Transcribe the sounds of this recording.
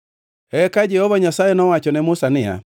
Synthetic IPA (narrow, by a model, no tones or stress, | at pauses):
ɛkad͡ʒɛhɔβaɲasaɛnɔwat͡ʃɔnɛmʊsanɪa̰